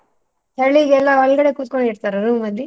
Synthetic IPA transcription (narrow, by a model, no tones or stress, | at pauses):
t̪ɐɭiɡɛlːãːʋɐlɡɐɽɐkut̪ɯkːɔɳɛɽɯt̪ːaːɾɾuːmʋɐnd̪i